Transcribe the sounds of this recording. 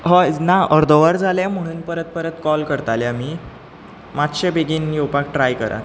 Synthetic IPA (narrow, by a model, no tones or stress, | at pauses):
ɦɔnaəɾd̪ʱoʋəɾd͡zʱalam̤əɽ̃uːnpəɾət̪̚pəɾət̪kɔlkəɾt̪aljami | mat̪ɕebeɡiːnjowpak̚ʈɾajkəɾʔa̰t̪